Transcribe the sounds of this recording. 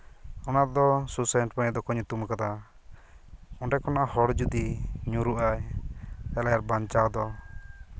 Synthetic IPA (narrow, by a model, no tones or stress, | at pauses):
ɔnad̪ɔsusɛɳʈpaɲɛd̪ɔkɔɲut̪umkad̪a | ɔɳɖɛkɔnaʔahɔɽd͡ʒud̪iɲũɾuʔaj | ɛlajaɾbaɲt͡ʃad̪ɔ